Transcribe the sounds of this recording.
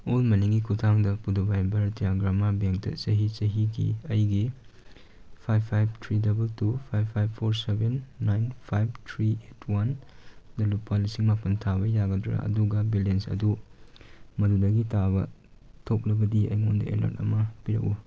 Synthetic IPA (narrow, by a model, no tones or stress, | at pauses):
olmɐniŋɡikʰutʰaŋdɐpudobajbɐɾdiaɡɾamabeŋk̚tɐ̰sɐɦit͡ʃɐɦiɡḭɐjɡi | pʰajbʰajb̚tʰɾidɐbɐltupʰajbʰajbʰoɾsebenːajnpʰajb̚tʰɾietʰwandɐlupːalisiŋmapɐntʰaβɐjaɡɐdɾa̰ʔɐ̰duɡɐbilensɐ̰du | mɐdudɐɡitʰabɐ̰tʰok̚lɐbɐdiɐ̰jŋondɐ̰ḛlo̰tɐ̰mɐpiɾɐ̰k̚u